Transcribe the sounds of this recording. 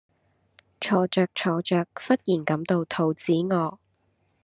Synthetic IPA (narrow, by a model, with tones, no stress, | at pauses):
t͡ʃʰɔː˨˧t͡ʃœː˨˧k̚t͡ʃʰɔː˨˧t͡ʃœː˨˧k̚fɐ˥t̚jiː˨˩nkɐ˨˧˥mt̪o˨˧wt̪ʰo˨˧wt͡siː˨˥ŋɔː˨˧